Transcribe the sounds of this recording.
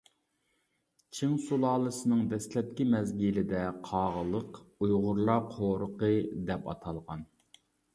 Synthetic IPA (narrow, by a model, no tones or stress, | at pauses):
t͡ʃʰiŋsulˠɑːlˠɨsɨnɨŋd̪ɛslɛt̪̚kʲimɛzɡʲilɪd̪ɛqʰɑːʁəlˠəqujʁʊɾlˠɑqʰoɾəqəd̪ɛpɑ̰t̪ʰɑlˠʁɑn